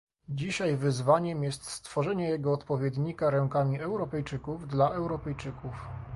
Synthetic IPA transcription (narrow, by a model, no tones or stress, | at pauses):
d͡ʑiɕajvɘzvaɲɛmjɛst̪st̪fɔʐɛɲɛjɛɡɔːt̪pɔvʲjɛd̪ɲikaɾɛŋkamʲiɛwɾɔpɛjt͡ʂɘkuvd̪laʔɛwɾɔpɛjt͡ʂɘkuf